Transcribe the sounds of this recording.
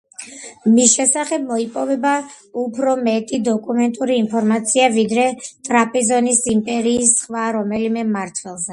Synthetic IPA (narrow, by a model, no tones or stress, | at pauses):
misʃɛsaχɛb̚mɔipʼɔvɛba | upʰɾɔmɛt̪ʼid̪ɔkʼumɛnt̪ʼuɾiːnpʰɔɾmat̪sʰiavid̪ɾɛt̪ʼɾapʼizɔnisimpʼɛɾiːsχvaɾɔmɛlimɛmaɾt̪ʰwɛlˠzɛ